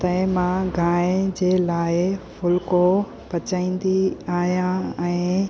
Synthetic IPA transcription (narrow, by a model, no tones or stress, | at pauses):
t̪ɐɪ̃mãɡʱãːd͡ʑeːlaːɪfʊlko | pɐt͡ɕaːĩːn̆d̪iaːɦjãɛ̃ː